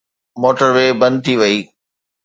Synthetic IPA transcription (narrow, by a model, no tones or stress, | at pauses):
moːʈəɾʋeːbɐ̃nd̪̚t̪ʰiʋɐiː